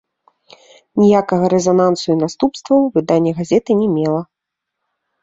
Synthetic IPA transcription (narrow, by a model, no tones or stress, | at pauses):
nʲijakɐɣɐɾɛzanant̪sɨjunast̪upst̪vɐwvɨd̪anʲːɛɣazʲɛt̪ɨnʲɛmʲɛlˠɐ